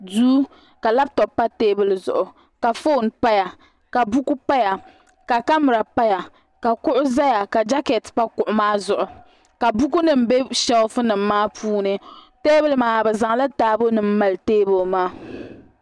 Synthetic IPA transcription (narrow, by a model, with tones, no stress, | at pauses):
duː˦ | ka˨la˦b̚tɔ˨pːa˦teː˦bɨ˨lzʊ̰˨ʔʊ˨ | ka˨fo˦˨npa˦ja˨ | ka˨bu˦ku˦pa˦ja˨ | ka˨ka˦mʊ˨ɾa˨pa˦ja˨ | ka˨kʊ˦ʔʊ˦za˦ja˨ka˨d͡ʒa˦ke˨tpa˦kʊ˨ʔʊ˨maː˦zʊ˨ʔʊ˨ | ka˨bu˦ku˦nɨ˨m̩˨˦be˦ʃɛ˦ʊ˦fɨ˦nɨ˨mː˦aː˦pʰuː˦nɨ˨ | teː˦bɨ˨lmaː˨bɛ˨za˨ŋla˦taː˦bo˦nɨ˨m̩˦ma˨lteː˦bo˨maː˦